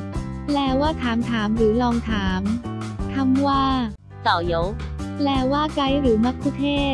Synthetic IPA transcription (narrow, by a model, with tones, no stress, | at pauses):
lɛː˧waː˥˩t̪ʰaː˩˦mt̪ʰaː˩˦mɾɯː˩˦lɔː˧ŋt̪ʰaː˩˦m | t̪ʰa˧mwaː˥˩ | sa˨˩jo˨˦˥wlɛː˧waː˥˩kla˧˥jɾɯː˩˦ma˦˥k̚ʰuː˦˥t̪ʰeː˥˩